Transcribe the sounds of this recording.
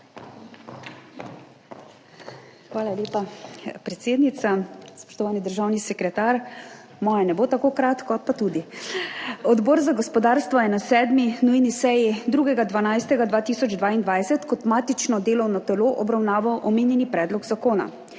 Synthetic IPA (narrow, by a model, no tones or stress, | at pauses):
xʋaːlaljeːpapɾɛt̪seːd̪nit̪saspɔ̥ʃt̪ɔʋaːnid̪əɾʒaːwnisɛkɾɛt̪aːɾ | mɔːjɛnɛboːt̪akoːkɾaːt̪kɔpat̪uːd̪i | ɔd̪bɔɾzaɡɔspɔd̪aːɾst̪ʋɔjɛnasɛːd̪minujnisɛjid̪ɾuːɡɛɡad̪ʋanajst̪ɛɡad̪ʋaːt̪iːsɔd͡ʒd̪ʋaːind̪ʋajsɛt̪kɔt̪maːt̪it͡ʃnɔd̪eːlɔwnɔt̪ɛloːʔɔbɾawnaːʋɔwʔɔmeːnjɛnipɾɛːd̪lɔɡzakoːna̰